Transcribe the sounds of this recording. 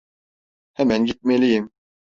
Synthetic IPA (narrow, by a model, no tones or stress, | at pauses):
hɛmɛnɟit̪̚melijim